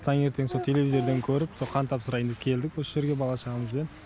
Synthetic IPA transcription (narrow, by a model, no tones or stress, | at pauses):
t̪ʰɑŋe̞ɾt̪e̞ŋso̞t̪ʰe̞le̞vʲizʲeɾd̪e̞ŋkʲʰɵɾɪpsoqʰɑnt̪ʰɑpsəɾɑjənd̪ɪpkʲʰe̞ld̪ɪkwosəʒe̞ɾɡʲe̞bɑlˠɑʃəʁɑməzʒd̪en